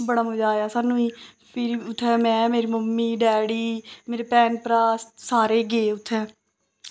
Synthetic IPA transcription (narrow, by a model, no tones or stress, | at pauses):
bəɽaːməd͡ʒaːjaːsaːnũːiː | pʰɪɾʊt̪ʰːɛːmɛ̃ːmeːɾiːməmːiːɖɛːɽiːmeːɾeːpɛːnpɾaːsaːɾeːɡeːʊt̪ʰːɛː